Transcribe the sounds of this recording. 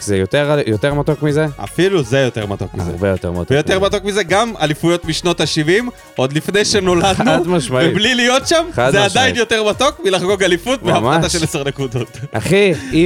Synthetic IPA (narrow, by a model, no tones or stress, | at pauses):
kzejot̪eʁajot̪eʁmat̪okmizea̰filuzejo̞t̪e̞ʁmat̪okmḭzeʁbejot̪eʁmatjo̞e̞ʁmat̪o̞kmize̞ɡamalifujo̞t̪miʃno̞t̪aʃivim | o̞d̪lifne̞jʃeno̞lad̪nudmaʃmaveiblilijo̞tʃamadzead̪ajinjo̞te̞ʁmato̞kmilaχɡo̞kalifut̪veamataʃeleseʁnekud̪o̞t̪aχii